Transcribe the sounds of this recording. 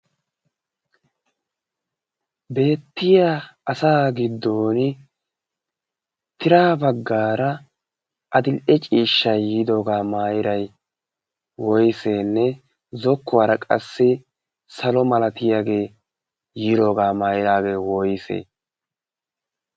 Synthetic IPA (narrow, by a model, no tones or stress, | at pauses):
be̞ːt̪ːɪjaːɐsaːɡɪd̪ːo̞ːnɪ | t̪ɪɾaːbɐɡːaːɾɐ | ʔɐd̪ɪlʔɛt͡ʃʼiːʃːɐjjiːd̪o̞ːɡaːmaːjɪɾɐj | wɔjɪseːnːɛ | zɔkːɔwaɾɐkʼɐ̰sːɪ | sɐlɔmɐlɐt̪ɪjaːɡe̞ː | jiːd̪o̞ːɡaːmaːjɪɾaːɡe̞ːwɔjɪsḛː